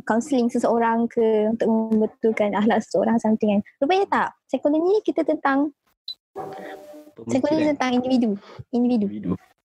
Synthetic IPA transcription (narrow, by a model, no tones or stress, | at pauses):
kawnsəliŋsəsəoɾaŋkʰəunt̪ʊk̚məmbət̪ukanaɦlaʔsə̥səo̰ɾaŋsant̪iŋanɾupaɲat̪aʔsajkoloɲikit̪ət̪ənt̪aŋ | sajkoloɲit̪ənt̪aŋindividuindividu